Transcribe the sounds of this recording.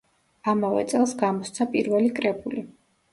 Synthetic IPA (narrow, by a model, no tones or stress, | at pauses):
amavɛ̰t̪sʼɛlˠsɡamɔst̪sʰapʼiɾvɛlikʼɾɛbuli